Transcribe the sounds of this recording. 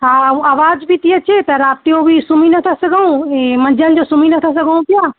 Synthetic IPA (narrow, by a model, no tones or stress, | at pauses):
ɦaːaːʋaːd͡ʒbʱit̪iɐt͡ʃʰet̪ɐɾaːp̚t̪iõbʱisʊminɐt̪ʰasɐɡʱaũemɐ̃nd͡ʒənɪ̆d͡ʒosʊminɐt̪ʰɐs̬ɐɡʱəũp̪ɪjaː